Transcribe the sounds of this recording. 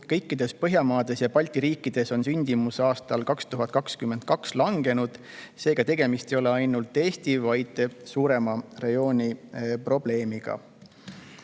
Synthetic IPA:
kɤ̞jkːid̪̥e̞spɤɦjɑmɑːd̪̥e̞sjɑpɑlʲt̪iɾiːkːˑid̪̥e̞so̞nsynʲd̪̥imusɑːst̪ɑlkɑkst̪uɦɑt̪̚ːˑkɑkskymːend̪̚kɑkslɑŋɡe̞nud̪̥ | se̞ːɡ̥ɑt̪e̞ɡe̞mist̪e̞jo̞le̞ɑjnult̪ːˑe̞ːst̪ivɑjd̪̥suːɾe̞mɑrejo̞ːnʲipro̞b̥le̞ːmiɡ̥ɑ̰

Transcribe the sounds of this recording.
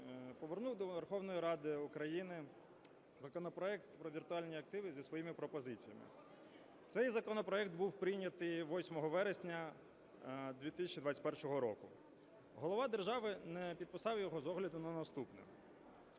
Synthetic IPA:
pɔʋernuwd̪ɔʋerxɔwnɔjiɾɑd̪ɪukɾɐjinɪ | zɐkɔnɔpɾɔɛkt̪pɾɔʋʲirt̪ʊɑlʲnʲiɐk̚t̪ɪʋɪzʲisʋɔjimɪpɾɔpɔzɪt͡sʲijɐmɪ̰ | t̪sɛjzɐkɔnɔpɾɔɛkt̪buwpɾɪnʲɐt̪ɪjʋɔsʲmɔɦɔʋɛɾesʲnʲɐ | d̪ʲʋʲit̪ɪsʲɐt͡ʃid̪ʋɑt͡sʲtʲpɛrʃɔɦɔɾɔkʊ | ɦɔlˠɔʋɑd̪erʒɑʋɪnɛpʲid̪̚pɪsɑwjɔɦɔzɔɦlʲɐd̪ʊnɐnɐst̪upnɛ̰

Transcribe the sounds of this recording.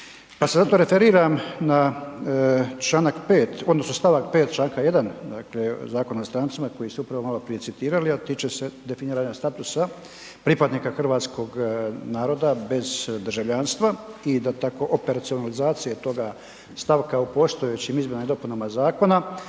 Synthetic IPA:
pasezat̪o̞ɾe̞feɾiːɾamna | t͡ʃlˠaːnakpe̞ːt̪od̪nosnost̪aʋak̚pe̞ːt̪t͡ʃlˠaːŋkaje̞d̪and̪aklezaːkonast̪ɾaːnt̪simako̞jisɛupɾaʋo̞malo̞pɾije̞tsit̪iːɾaliat̪it͡ʃese̞d̪e̞finiːɾaːɲast̪at̪usa | pɾipad̪nikaxr̩ʋaːt̪skʰo̞ɡnaːɾo̞d̪abe̞zd̪rʒaʋʎanst̪ʋaid̪at̪ako̞ʔope̞ɾat̪sio̞nalizaːt̪sije̞t̪o̞ɡa | st̪aʋkaupo̞st̪o̞et͡ɕimizmʲenad̪o̞punamazaːko̞na

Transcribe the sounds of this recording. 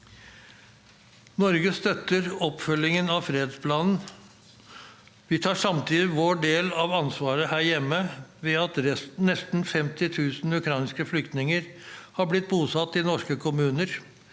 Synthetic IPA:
nɔɾɡəst̪œt̪ːəɾɔpfœlːɪŋənɑʋfɾeːd̪spʰlɑːnn̩ | ʋɪt̪ʰɑːʂɑmt̪ʰiːd̪ɪʋoːɖeːlɑʋɑnsʋɑːɾəhæːɾjɛmːəʋɛɑt̪ɾɛsnɛst̪n̩fɛmt̪ɪt̪ʰʉːsn̩ʉkʰɾɑɪnskəflʏkt̪nɪŋəɾhɑblɪt̪̚buːsɑt̪ːɪnɔʂkəkʰʊmʉːnəɾ

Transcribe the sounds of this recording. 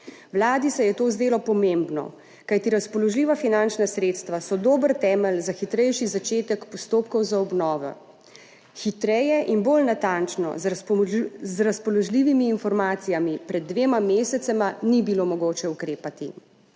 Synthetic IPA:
wlaːd̪isɛjɛt̪oːzd̪eːlɔpɔmembnɔ̰ | kajt̪iɾaspɔlɔʒliːʋafinant͡ʃnasɾeːt̪st̪ʋasɔd̪oːbəɾt̪ɛːmɛlzaxit̪ɾɛjʃizat͡ʃeːt̪ɛkpɔst̪oːpkɔwzaɔbnɔːʋɛ̰ | xit̪ɾɛjɛʔinbolnat̪ant͡ʃnɔ̰ | zɾaspɔlɔʒliːʋimiːnfɔɾmaːt̪sijamipɾɛd̪ːʋeːmameːsɛt̪sɛmanibilomɔɡoːt͡ʃɛukɾeːpat̪i

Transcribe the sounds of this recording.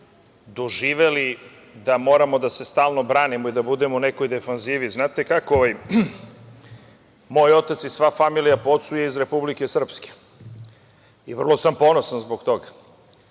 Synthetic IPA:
d̪o̞ʒiːʋe̞li | d̪amo̞ːɾamo̞d̪ase̞st̪aːlˠno̞bɾaːnimoid̪abud̪e̞moune̞ko̞jd̪e̞fanziːʋiznaːt̪e̞kakooʋj | mo̞ːjo̞t̪at̪sisʋafamilijapo̞t̪sujeizɾe̞publike̞sr̩pske̥ | iʋr̩lˠo̞sampo̞no̞sanzbo̞kt̪o̞ɡa

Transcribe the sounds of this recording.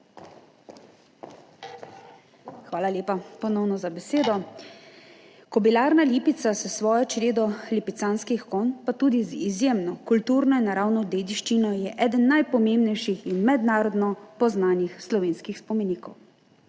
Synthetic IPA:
xʋaːlalʲjeːpapɔnɔwnɔzabɛseːd̪ɔ | kɔbilaːɾnaliːpit̪sasɛsʋɔːjɔt͡ʃɾeːd̪ɔlipit̪saːnskixkonpat̪uːd̪izizjemnɔkult̪uːɾnɔinaɾawnɔd̪eːd̪iʃt͡ʃinɔjɛʔɛːd̪ənːajpɔmeːmbnɛjʃixinmɛd̪naːɾɔd̪nɔpɔznaːnixslɔʋeːnskixspɔmeniːkɔw

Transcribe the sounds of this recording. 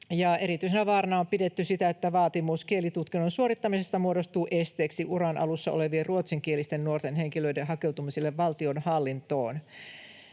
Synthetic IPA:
jɑe̞ɾit̪yisenæʋɑːrɑnɑompidet̪ːysit̪æet̪ːæʋɑːt̪imuskielit̪ut̪kinːonsuoɾit̪ːɑmise̞st̪ɑmuodost̪uːʔe̞st̪eːksiʔuɾɑnʔɑ̰lusːɑole̞ʋierruot̪siŋkielist̪ennuort̪enhe̞ŋkiløidenɦɑke̞wt̪umiselːeʋʋɑlt̪io̞nhɑlːint̪oːn

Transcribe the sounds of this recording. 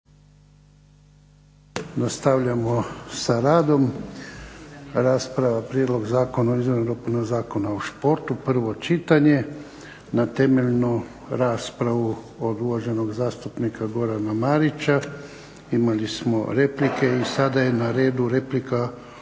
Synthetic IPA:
nast̪aʋʎamosaɾaːd̪o̞m | ɾaːspɾaʋapɾʲjed̪lˠo̞ɡzaːkonaoizʋoɾnoɾopunoɡzaːko̞naoʃpo̞ɾt̪upr̩ʋo̞t͡ʃit̪aɲe̞ | nat̪e̞me̞ʎnu | ɾaːspɾaʋu | od̪uʋaʒe̞no̞ɡzaːst̪upnikaɡo̞ɾanamaɾit͡ʃa | imalismo̞ɾe̞plike̞isad̪aje̞naɾe̞ːd̪uɾe̞plika

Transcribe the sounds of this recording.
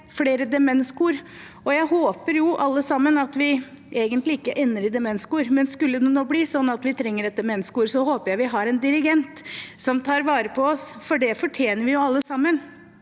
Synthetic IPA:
fleːɾəd̪ɛmɛnskuːɾ | ɔjæɪɦoːpəɾjʊʔɑlːəsɑmːənɑt̪ʋɪ | ʔeːɡənt̪lɪɪkːəʔɛnːəɾɪd̪ɛmɛnskuːɾmɛnskʉlːəd̪ɛnɔbliːsɔnːɑt̪ʋɪt̪ʰɾɛŋːəɾɛt̪̚d̪ɛmɛnskuːɾsɔhoːpəɾjæɪʋɪɦɑɾɛnd̪ɪɾɪɡɛnt̪sɔmt̪ʰɑːɾʋɑːɾəpʰɔɔsfɔɖɛfɔʈʰjeːnəɾʋɪjʊɑlːəsɑmːən

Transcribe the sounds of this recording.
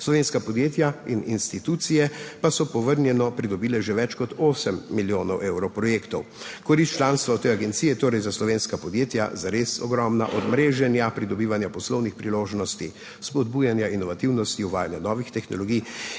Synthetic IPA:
slɔʋeːnskapɔd̪jeːt̪jaininst̪it̪ut̪sijɛpasɔpɔʋəɾnjɛnɔpɾid̪ɔbiːlɛʒɛʋɛt͡ʃkɔt̪oːsɛmːiljoːnɔwʔewɾɔpɾɔjekt̪ɔw | kɔɾist͡ʃlaːnst̪ʋat̪eaɡɛnt̪sijɛjɛt̪oːɾɛjzaslɔʋeːnskapɔd̪jeːt̪ja̰zaɾesɔɡɾɔmna̰ʔɔd̪mɾeːʒɛnjapɾid̪ɔbiːʋanjapɔslɔwnixpɾiloːʒnɔst̪i | spɔd̪̚buːjanjainɔʋat̪iwnɔst̪iuʋaːjanjanɔːʋixt̪ɛxnɔlɔɡij

